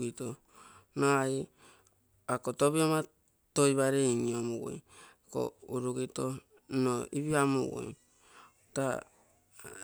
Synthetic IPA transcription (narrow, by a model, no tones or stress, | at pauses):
kito | noai | akotoβioma | tojβaɾeiɲiomuwo̰j | ko̰uɾuɡito | noiβiamuwo̰j | ta̰